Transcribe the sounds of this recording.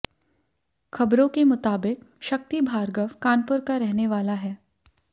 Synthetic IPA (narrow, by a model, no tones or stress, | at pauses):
xʰɐbɾõkemʊt̪aːbɪkʃɐk̚t̪ibʱaːɾɡəʋkaːnpʊɾkaɾɛɦneʋaːlaɦɛː